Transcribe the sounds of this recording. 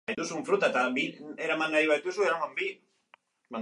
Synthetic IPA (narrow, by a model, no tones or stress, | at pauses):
ajt̪usuɱfɾut̪aet̪abie̞ɾamaŋɡaɾiβajt̪usue̞ɾamambi | ma